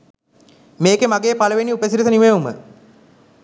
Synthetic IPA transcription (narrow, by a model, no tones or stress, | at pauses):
meːkemaɡeːpaləʋeniupəsiɾit̪̬əniʋeumə̰